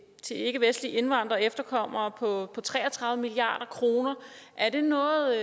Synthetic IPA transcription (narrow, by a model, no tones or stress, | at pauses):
t͡sʰe̝e̝ɡ̥əʋesd̥liʔe̝nʋɑ̈n̰d̥ʁɐefd̥ɐkʰɒ̽m̰ɐːpʰɒ̽pʰɒ̽t͡sʰʁɛ̰ːɐt͡sʰʁɑ̈ðˠmiliɑ̰̈ːɾ̥ɐkʰʁo̝ːnɐ | ʔæɐd̥e̝nɔ̽ːð̩ˠ